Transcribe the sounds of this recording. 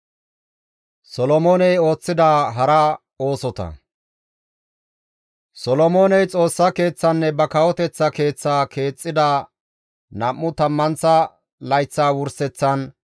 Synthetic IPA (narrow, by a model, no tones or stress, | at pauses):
sɔlɔmoːnɛjo̞ːt͡sːɪd̪aːɦɐɾɐ | o̞ːsɔt̪ɐ̰ | sɔlɔmoːnɛjt͡sʼo̞ːsːɐke̞ːt͡sːɐnːɛbɐkɐwɔt̪ɛt͡sːɐke̞ːt͡sːaːkʰe̞ːt͡sʼːɪd̪a | nɐmːʊt̪ɐmːɐnt͡sɐ | lɐjt͡sːaːwʊɾsɛt͡sːɐn